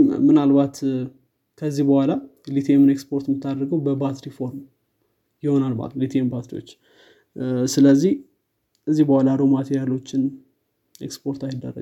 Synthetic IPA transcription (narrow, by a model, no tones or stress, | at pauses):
mɨnalbat̪ | kʰəzːihbəhʷalalit̪ʰemɨnekspo̞ɾt̪mɨt̪ʰːad̪ɾɡəwbəbat̪ɾifo̞ɾm | jɪho̞nalba̰llit̪ʰembat̪ɾiwo̰t͡ʃː | sɨləzːih | ɨzːihbəhʷwalaɾomat̪ʰejjalːo̞t͡ʃːɪn | ḛkspʰo̞ɾt̪ajld̪ə̰rːə̰